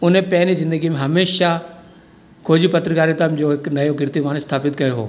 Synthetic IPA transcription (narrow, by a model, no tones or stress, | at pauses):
ʊnẽpɐɦɪnizɪ̃nd̪əɡimẽɦɐmeːʃa | kʰoːd͡ʑipɐt̪ɾkaːɾit̪amd͡ʑoːɦɪknɐjoɡɪɾt̪imaːnst̪ʰaːpɪt̪kɐjoɦo̰ː